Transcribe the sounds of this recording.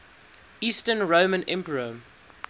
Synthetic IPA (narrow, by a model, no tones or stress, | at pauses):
iːstənɹoːmə̃nɛ̃mpəɹə